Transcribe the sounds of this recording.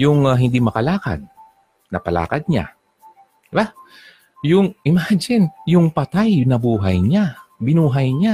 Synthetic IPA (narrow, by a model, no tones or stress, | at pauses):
jʊŋɦɪnd̪imɐkɐlaːka̰d̪̚ | nɐpɐla̰ːkɐd̪̚ɲa̰ | d̪̥ɪba | jʊŋʔɪmaːd͡ʒɪnjʊŋpɐt̪ajnɐbuːɦɐjɲabɪnuːɦɐjɲa